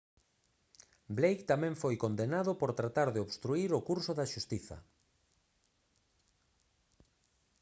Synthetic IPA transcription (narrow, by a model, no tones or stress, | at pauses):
blejkt̪amɛ̃ɱfojkond̪enaðʊpoɾt̪ɾat̪aɾðeoβst̪ɾuiɾokuɾsoðaʃust̪iθɐ̰